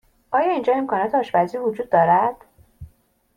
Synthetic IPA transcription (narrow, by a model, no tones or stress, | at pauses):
ʔɒːjɒːind͡ʒɒːe̞mkʰɒːnɒːt̪ʰeɒːʃbæziːvod͡ʒuːd̪̚ːɒːɾæd̪̥